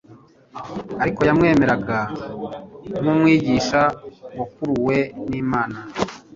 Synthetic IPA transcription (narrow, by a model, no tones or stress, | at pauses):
aɾiko̞jamŋe̞ːme̞ɾaɡa | mumwiːɟiʃawokuɾuwe̞niːmaːna